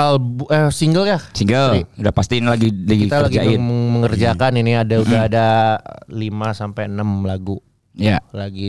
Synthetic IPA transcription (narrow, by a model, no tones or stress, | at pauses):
albəsiŋɡəljasiŋɡəludahpast̪inlaɡilaɡit̪alaɡid͡ʒaɪməməŋərd͡ʒakaniniadauahɦada | limasampajənəmlaɡu | jalaɡi